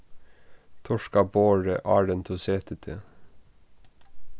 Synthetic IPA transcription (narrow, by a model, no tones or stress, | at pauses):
t̪ʰɔʃkɑboːɹəʔɑːɖənt̪ʰuːseːt̪ʰət̪ʰe